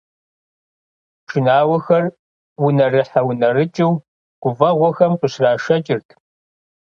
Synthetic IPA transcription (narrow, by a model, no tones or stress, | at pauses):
ʈ͡ʂɨnaːwɐxɐr | wʊnɐrɨħawʊnɐrɨt͡ʃʼɪw | ɡ̥ʷʊvɐʁʷɔxɐmqəɕraːʂɐt͡ʃʼɪrtʰ